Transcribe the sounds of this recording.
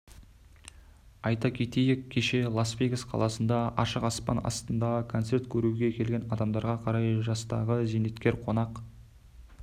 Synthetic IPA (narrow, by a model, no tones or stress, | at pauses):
ɑjt̪ɑkʲʰe̞t̪e̞jɪkʲʰːe̞ʃe̞lˠosvejɡəsqʰɑ̰lˠɑsənd̪ɑɑʃəqɑspɑ̰nɑ̰st̪ənd̪ɑkʰo̞nt̪se̞ɾt̪kʲʰɵɾuɡʲe̞kʲʰe̞lɡʲe̞nɑd̪ɑmd̪ɑɾʁɑqʰɑɾɑjʒɑst̪ɑ̰ʁəzene̞t̪kʲe̞ɾqʰo̞nɑq